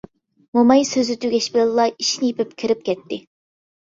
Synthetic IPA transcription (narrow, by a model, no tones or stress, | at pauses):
momɑjsøzyt̪ʰyɡʲɛʃbɪlɪllːˠɑiʃnɪjipɪp̚kʲʰiɾɪp̚kʲɛt̪ːɪ